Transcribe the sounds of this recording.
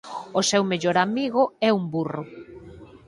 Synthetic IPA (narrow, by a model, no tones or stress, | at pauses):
osewmeʎoɾamiɣʊɛumburʊ